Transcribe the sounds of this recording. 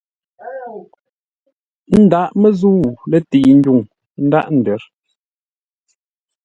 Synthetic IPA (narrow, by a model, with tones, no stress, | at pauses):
n̩˦da˦ʔmɛ˦zu˦wlɛ˦ti˨n̩˦ɟu˦˨ŋ | n̩˦da˦ʔn̩˨dɛ˨˦ɾ